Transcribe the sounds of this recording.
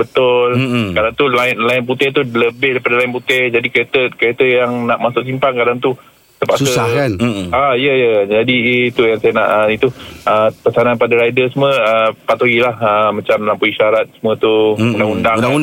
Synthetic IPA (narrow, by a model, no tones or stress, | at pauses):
bət̪ʊlkadaŋt̪ulaɪnlaɪnp̬ut̪ɪht̪uləbɪhdajpadalaɪnp̬ut̪ɪhd͡ʒadikəɾet̪əkəɾet̪əjaŋnaʔmasʊksimpankadaŋt̪u | t̪əpaʔsuəakanaijəjəd͡ʒadit̪ujaŋsajana̰ʔəit̪uəpəsaananpadaɾajdəsməəpat̪oɡilahəmãt͡ʃamlampuiʃaɾat̪̚səmũət̪uundaŋundaŋa